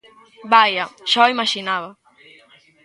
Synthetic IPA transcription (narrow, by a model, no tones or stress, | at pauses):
bajaʃɔimaʃinaβɐ